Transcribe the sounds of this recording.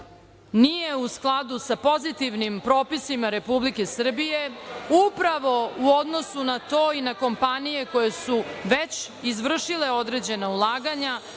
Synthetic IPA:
nijeusklˠad̪usapo̞zit̪iʋnimpɾoːpisimaɾe̞publike̞sr̩bije̞upɾaʋo̞uo̞d̪no̞sunat̪o̞ːinako̞mpanije̞ko̞jesuʋet͡ɕ | izʋr̩ʃile̞o̞d̪ɾed͡ʑe̞naulˠaːɡaɲa

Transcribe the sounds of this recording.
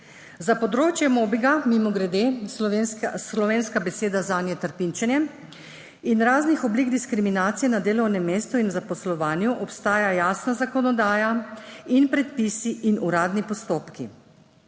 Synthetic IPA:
zapɔd̪ɾoːt͡ʃjɛmobiɡamimɔɡɾɛd̪e | slɔʋeːnskabɛseːd̪azaːnjɛt̪əɾpint͡ʃɛnjɛ | inɾaːznixɔbliɡd̪iskɾiminaːt̪sijɛnad̪eːlɔwnɛmːeːst̪uinzapɔslɔʋaːnjuʔɔpst̪aːjajaːsnazakɔnɔd̪aːjainpɾɛt̪pisiʔinuɾaːd̪nipɔst̪oːpki

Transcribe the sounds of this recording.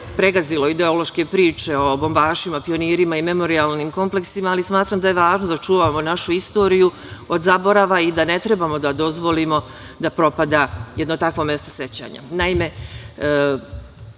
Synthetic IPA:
pɾe̞ɡazilˠo̞id̪e̞o̞lo̞ʃke̞pɾiːt͡ʃe̞o̞bo̞mbaːʃimapio̞niːɾimaime̞mo̞ɾialnimko̞mple̞ksimaːlismaːt̪ɾaːmd̪ajeʋaːʒnod̪at͡ʃuːʋamonaʃuist̪o̞ːɾiju | o̞d̪zabo̞ɾaʋaid̪anet̪ɾe̞bamo̞d̪ad̪o̞zʋo̞limo̞ | d̪apɾo̞pad̪aje̞d̪no̞t̪akʋo̞mje̞st̪o̞se̞t͡ɕa̰ːɲa̰naime̞

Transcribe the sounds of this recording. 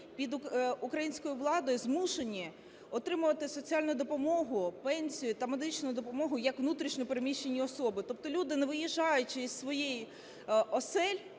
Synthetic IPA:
pʲid̪ʊkɾɐjinʲsʲkɔjʊʋlˠɑd̪ɔjʊzmuʃenʲːi | ɔt̪ɾɪmʊʋɐt̪ɪsɔt͡sʲiɑlʲnʊjʊd̪ɔpɔmɔɦʊpɛnʲsʲijʊt̪ɐmed̪ɪt͡ʃnʊjʊd̪ɔpɔmɔɦʊjɐkʋnut̪ɾʲiʃnʲɛpeɾemʲiʃt͡ʃenʲːiɔsɔbɪt̪ɔp̚t̪ɔlʲud̪ɪneʋɪjiʒːɑjʊt͡ʃɪissʋɔjɛj | ɔsɛlʲ

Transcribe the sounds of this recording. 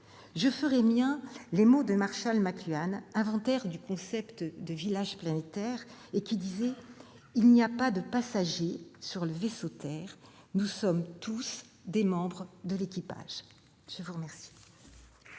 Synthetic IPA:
ʒəfəʁɛmjɛ̃lemod̪əmaʁʃalmaklyanɛ̃vɑ̃t̪ɛʁd̪ykɔ̃sɛpt̪d̪əvilaʒplanet̪ɛʁekʲid̪izɛ | ilniapad̪əpasaʒesyʁləvesot̪ɛʁ | nusɔmt̪ʰus | d̪emɑ̃bʁəd̪əlekʲipa̰ʒ̥ | ʒ̥əvuʁəmɛʁsi̥

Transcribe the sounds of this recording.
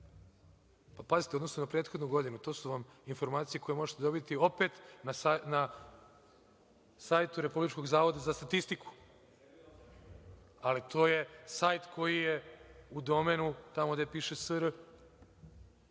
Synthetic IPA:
papazit̪eod̪nosnonapɾeːt̪xod̪nuɡo̞d̪inut̪o̞ːsuʋaminfo̞ɾmaːt̪sije̞kʰo̞je̞mo̞ʒet̪ed̪o̞bit̪io̞pe̞t̪nana | saːjt̪uɾe̞publit͡ʃko̞ɡzaːʋo̞d̪azast̪at̪ist̪iku̥ | alit̪ʰo̞ːje̞sajt̪kʰo̞jijeud̪o̞me̞nut̪amod̪epiːʃesəɾ

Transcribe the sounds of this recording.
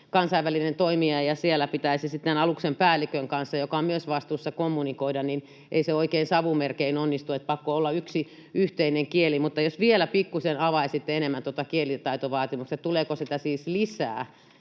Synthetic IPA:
kɑnsɑiʋælinent̪oimiɑjjɑsielːæpit̪æisisit̪ːenɑluksempæːlːˑikøŋkɑnsːɑjokɑommyøsʋɑst̪uːsːɑkomːunikoidɑnnin | ʔḛiseoikeinsɑʋumerkeinonːist̪uet̪̚pɑkːoolːɑyksi | yht̪eineŋkielimut̪ːɑjosʋielæpikːusenɑʋɑisit̪ːeenemːænt̪uot̪ɑkielit̪ɑit̪oʋɑːt̪imuksett̪uleːkosit̪æsiːslisæ̰ː

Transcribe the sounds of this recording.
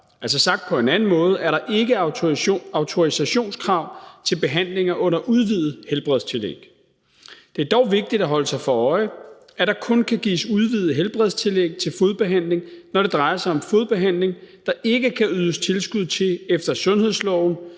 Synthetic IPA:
ælsɐsɑ̈ɡ̥̚d̥̚pʰɒ̽e̝næn̩mɔ̽ːð̞̩ˠæɐɾɑ̈ʔe̝ɡ̥ə | ɑ̈ʊt͡sʰo̝isæɕo̝̰ːnskʰʁɑ̈ʊ̰t͡sʰe̝lb̥e̝ɦæn̰le̝ŋɐʔɔ̽n̰ɐʔuð̞ˠʋið̩ˠhelb̥ʁɛðˠst͡sʰe̝lḛɡ̥ | d̥e̝æɐd̥ɒʊʋe̝ɡ̥̚d̥id̥æɦɒ̽ləsɑ̈ɪfɒɒ̽ɪ | ʔæd̥ɑ̈kʰɔ̽nkʰæɡ̥ḭːsuð̞ˠʋið̞̩ˠɦelb̥ʁɛð̞̰ˠst͡sʰe̝leɡ̥̚t͡sʰe̝lfo̝ð̞ˠb̥e̝ɦæn̰le̝ŋnɒɾ̥e̝d̥ʁɑ̈ɪɐsɑ̈ɪɒ̽mfo̝ðˠb̥e̝ɦæn̰le̝ŋd̥ɑ̈ʔe̝ɡ̥əkʰæyð̞ˠəst͡sʰe̝lsɡ̥uð̞̰ˠt͡sʰe̝efd̥ɐsɔ̽nhe̝ð̞̰ˠslɒʊn̩

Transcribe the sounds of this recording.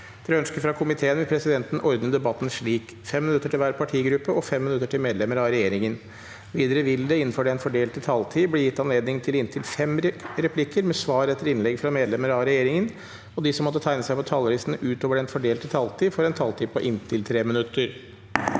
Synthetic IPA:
ɾɛœnskəfɾɑkʰʊmɪt̪ʰeːənʋɪpʰɾɛsɪd̪ɛnt̪n̩ʔɔɾd̪nəd̪ɛbɑt̪ːn̩ʂɭiːk | fɛmːɪnʉt̪ːəʈɪlʋæːɾpʰɑʈʰiːɡɾʉpːəʔɔfɛmːɪnʉt̪ːəʈʰɪlmeːd̪lɛməɾɑɾɛjeːɾɪŋən | ʋiːd̪əɾəʋɪld̪ɛɪn̩ːfɔɖɛɛnfɔɖeːlt̪ət̪ʰɑlt̪ʰiːbliːjɪt̪ːɑnleːd̪nɪŋt̪ʰɪlɪnt̪ʰɪlfɛmɾɛpʰlɪkːəɾmɛsʋɑːɾɛt̪ːəɾɪnlɛɡfɾɑmeːd̪lɛməɾɑɾɛjeːɾɪŋən | ɔd̪ɪsɔmːɔt̪ːət̪ʰæɪnəsæɪpʰɔt̪ʰɑlɔɾiːsənəʔʉːt̪oːʋəɖɛnfɔɖeːlt̪ʰɪt̪ʰɑlt̪ʰiːfɔɾɛnt̪ʰɑlt̪ʰiːpɔʔɪnt̪ʰɪlt̪ʰɾeːmɪnʉt̪ːəɾ

